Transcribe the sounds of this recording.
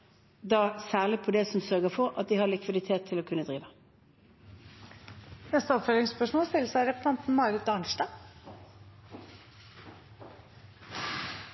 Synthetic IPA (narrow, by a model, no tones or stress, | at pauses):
d̪ɑːsæːʁlɪpʰɔd̪ɛsɔmsœʁɡəfɔʁɑt̪̚d̪ɪhɑʁlɪkʰʋɪd̪ɪt̪ʰeːt̪ʰːɪloːkʰʉnəd̪ʁiːʋə | nɛst̪əɔpfelɪŋspœʂmoːst̪ɪlsæɾɛpsɑnt̪n̩mɑɪɾɪt̪ɑɳʃʈɑ